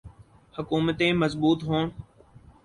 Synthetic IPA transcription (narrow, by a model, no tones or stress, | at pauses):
həkuːmət̪ẽːməzbuːt̪ɦoːn